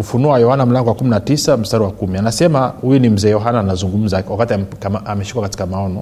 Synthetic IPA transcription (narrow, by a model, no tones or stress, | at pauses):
kufunuajɔhanam̩laŋɡɔwakuminatisam̩staɾiwakumianasɛmahujunim̩zɛːjɔɦanaːnazuŋɡum̩zawakatiakamaamɛʃi̥kwakati̥kamaɔnɔ